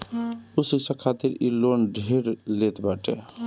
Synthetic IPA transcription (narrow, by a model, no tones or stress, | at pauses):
usisə̃kʰat̪iɾḭlonɖʱeɾlet̪baʈe